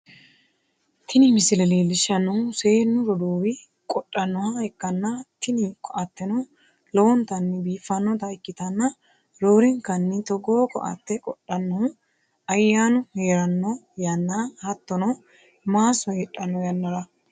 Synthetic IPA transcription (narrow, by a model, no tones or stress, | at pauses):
t̪ʰɪnɪmɪsɪlɛliːlɪʃɐnːɔhʊseːnːʊɾɔd̪uːwɪ | kʼɔɗʼːɐnːɔhɐɛkːɐnːɐt̪ɪnɪkʰʼːɔʔɐt̪ːɛnɔ | lɔwɔnt̪ɐnːɪbiːfːɐnːɔt̪ɐɪkːɪt̪ɐnːɐ | ɾoːɾɛŋkɐnːɪt̪ɔɡoːkɔ̰ʔɐ̰t̪ːɛkʼɔɗʼɐnːɔhʊ | ɐjːaːnʊheːɾɐnːɔ | jɐnːahɐt̪ːɔnɔ | maːsɔhɛᶑʼɐnːɔjɐnːɐɾɐ